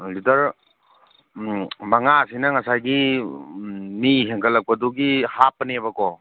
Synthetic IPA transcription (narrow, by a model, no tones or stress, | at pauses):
litɐɾ | baŋasinɐŋɐsajɡi | miɦeŋkʰɐlːɐk̚pɐduɡihapɐnebɐkɔ